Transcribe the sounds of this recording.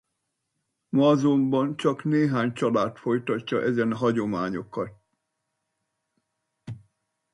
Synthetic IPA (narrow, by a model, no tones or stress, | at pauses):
mɒːzombɒnt͡ʃɒkneːɦaːɲt͡ʃɒlaːt̪fo̞jt̪ɒcːɒʔɛzɛnɦɒɟo̞maːɲo̞kɒt̪̚